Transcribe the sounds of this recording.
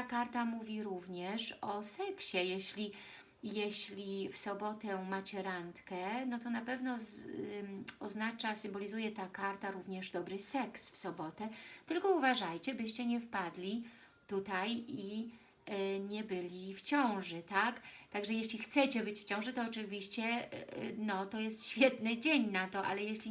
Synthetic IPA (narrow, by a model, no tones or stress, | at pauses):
akaɾt̪amuvʲiɾuvɲɛʂɔsɛkɕɛjeɕlʲi | jeɕlʲifsɔbɔt̪ɛmat͡ɕɛɾant̪kɛnɔt̪ɔnapɛvnɔ | ɔznat͡ʂasɘmbɔlʲizujɛt̪akaɾt̪aɾuvɲɛʐd̪ɔbɾɘsɛksfsɔbɔt̪ɛt̪ɘlkɔuvaʐajt͡ɕɛbɘɕt͡ɕɛɲɛfpad̪lʲi | t̪ut̪aji | ɲɛbɘlʲift͡ɕɔ̃w̃ʐɘt̪akt̪aɡʐɛjeɕlʲixt̪sɛt͡ɕɛbɘt͡ɕft͡ɕɔ̃w̃ʐɛt̪ɔːt͡ʂɘvʲiɕt͡ɕɛ | nɔt̪ɔjɛst̪ɕfʲjɛt̪nɘd͡ʑeɲnat̪ɔʔa̰lɛjɛɕlʲi